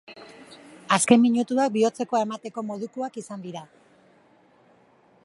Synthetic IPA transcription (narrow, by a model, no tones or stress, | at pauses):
aske̞mːiɲut̪uak̚bio̞t͡se̞ko̞e̞mat̪e̞ko̞mo̞ð̞ukuakisand̪iɾa